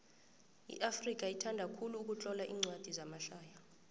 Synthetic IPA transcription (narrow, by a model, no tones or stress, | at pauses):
ḭʔafrik̬ʼaitʰandʱakʰuluːk̬ut͡ɬʼɔlaʔiːŋ͡ǀʱwad̥ʱizamaɬaːja